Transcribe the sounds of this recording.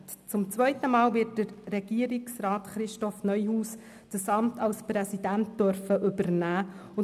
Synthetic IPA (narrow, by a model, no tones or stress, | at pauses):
t͡sʊmt͡svœjtəmɑːlvɪt̚dəɾːɛɡ̥iəɾɪksɾɑːtχɾɪʃtɔfnœjɦuːs | d̥əsɑmtɑlspɾɛsidænt̚d̥œɾfəʔʏbəɾnæːʊ